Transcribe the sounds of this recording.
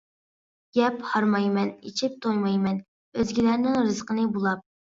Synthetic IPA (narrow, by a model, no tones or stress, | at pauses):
ɡ̥ʲɛphɑɾmɑjmɛnit͡ʃʰip̚t̪ʰojmɑjmɛn | øzɡʲilæɾnɪŋɾɨzqənɨbolˠɑp̚